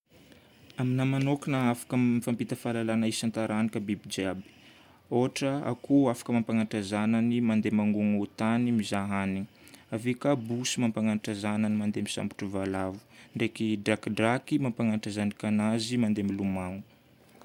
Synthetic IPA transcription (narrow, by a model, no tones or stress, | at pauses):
aminamanokanəafḁkəmifampit̪əfalalanaisant̪aɾanikəbibid͡ʒabi̥ | oɦaʈ͡ʂəa̰kʰuafḁkəmampaŋaʈ͡ʂazananimand̪emaŋɡuŋut̪animizaɦani | avekabusimampaŋanʈ͡ʂazanənimand̪emisa̰mpi̥ʈ͡ʂuvalavu̥ɳɖ͡ʐekidakɖ͡ʐakimampaŋanʈ͡ʂazanikanazimand̪emiluman